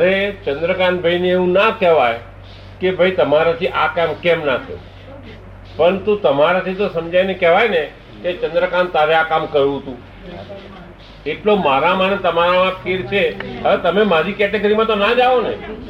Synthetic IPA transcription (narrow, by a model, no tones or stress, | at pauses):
əɾet͡ʃə̃nd̪ɾəkanbʱaineːũnakɛʋaj | kebʱəit̪əmaɾat̪ʰiʔakamkemnat̪ʰḛ | pəəɳt̪ũt̪əmaɾat̪ʰit̪osəmd͡ʒajnekɛʋajne | ket͡ʃə̃nd̪ɾəkant̪aɾeakamkəɾjũɦət̪ũ | eʈlomaɾamanet̪əmaɾaãpʰeɾt͡ʃʰeɦəet̪əmemaɾikɛʈeɡəɾimãt̪onad͡ʒaʋone